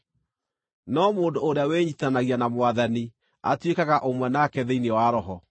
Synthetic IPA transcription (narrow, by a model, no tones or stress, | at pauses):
nɔmoːndoːɾeaweɲitanaɣianamwaðani | a̰twekaɣaʔomwɛnakɛðeinewaɾɔɦɔ